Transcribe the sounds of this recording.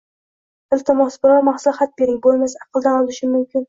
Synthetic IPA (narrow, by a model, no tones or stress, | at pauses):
ɪlˠt̪ʰɪmɒsbɪɾɒwmaχsʊlˠχat̪̚beɾɪŋʲbolˠmasɑqʰɨlˠd̪anɒlˠɪʃɪmʊmkʲɪn